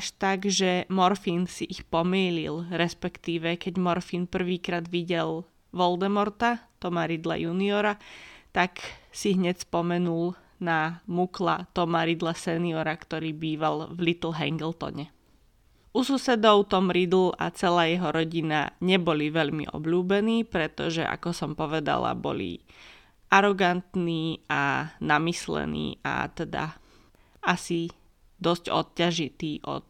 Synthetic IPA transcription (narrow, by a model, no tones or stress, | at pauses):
ʃt̪aɡʒɛmɔɾfiːnsiʔixpɔmiːlḭlɾɛspɛkt̪iːʋɛkɛɟmɔɾfiːnpr̩ʋiːkɾaːd̪ʋiɟɛl | ʋɔld̪ɛmɔɾt̪at̪ɔmaɾid̪la̰juːniɔɾat̪aksiɦɲɛcspɔmɛnul | namukla̰t̪ɔmaɾid̪lasɛniɔɾakt̪ɔɾiːbiːʋalʋlit̪l̩ɦɛ̰ŋɡɛlˠt̪ɔ̰ɲɛ | ʔususɛd̪ɔʊt̪ɔmɾid̪l̩a̰t͡sɛlaːjɛɦɔɾɔɟina̰ɲɛbɔliʋɛʎmḭʔɔ̰bʎuːbɛniːpɾɛt̪ɔ̰ʒɛ̰ʔa̰kɔsɔmpɔʋɛd̪a̰la̰bɔ̰lḭ | ʔaɾɔɡant̪niːanamislɛ̰nḭːʔa̰t̪ɛd̪a̰ | asi | d̪ɔscɔ̰t̪̚caʒit̪iːʔɔ̰t̪̚